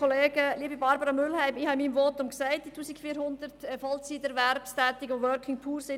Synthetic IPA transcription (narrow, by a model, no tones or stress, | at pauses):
ɔleːɡ̥əliːəbibɑɾbəɾɑmʏlhæɪmɪhɑɪmiːmvɔːtʊmksæɪt̚d̥itʰuːsɪkfiːɾhʊndəɾtɛfɑltsidɛɾʋɛɾpstɛːt̪ɪɡoʋœɾkʰɪŋpʰuːɾsɪ